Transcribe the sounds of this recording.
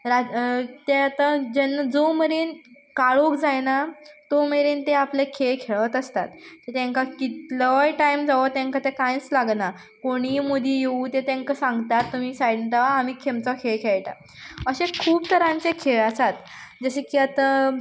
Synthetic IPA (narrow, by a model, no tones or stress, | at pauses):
ɾat̪eat̪ad͡ʑənːad͡zomeɾiːn | kaɭokd͡zajnat̪omeɾiːnt̪eaplekʰeɭkʰeɭət̪əst̪at̪tet̪jãŋkakit̪ləjʈajmd͡zaʋət̪ãŋkat̪ekãjt͡slaɡna | koɽ̃iːmod̪ʱiːjeut̪et̪ãŋkasãŋɡt̪at̪ːum̤iːsajɽt̪aʋaːmiːkʰemt͡sɔkʰeɭkʰeɭʈ̪a̰ | əɕekʰuːpt̪əɾãnt͡sekʰeɭəsat̪ | d͡zəɕekiːat̪a